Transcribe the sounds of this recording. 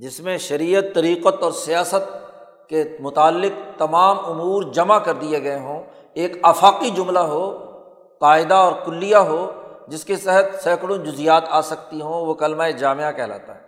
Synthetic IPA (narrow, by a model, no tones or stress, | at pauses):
d͡ʒɪsmẽʃɐɾiːət̪ːɐɾiːqət̪ɔːɾsijaːsət̪̚ | kemʊt̪aːlːɪq̚t̪ɐmaːmʊmuːɾd͡ʒɐmakɐɾd̪ieɡɐeɦõː | eːkaːfaːqid͡ʒʊmlaɦoː | qaːɪd̪aɔːɾkʊlːijaɦoːd͡ʒɪsket̪ɛɦət̪sɛːkɽõd͡ʒʊzijaːt̪aːsɐk̚t̪iɦõʋokɐlmaed͡ʒaːmeakɛɦla̰ːt̪aɦɛː